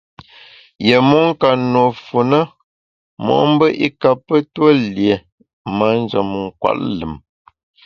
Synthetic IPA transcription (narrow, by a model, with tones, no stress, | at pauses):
je˨mu˦ŋ̩˦ka˨no˨fu˨nə˦ | mɔ̰˨ʔm̩˦bə˦ʔi˦ka˨pːə˦two˦lje˨ | ma˦n˦d͡ʒə˨m˨ŋ̩˨kwa̰˨ʔlə˨m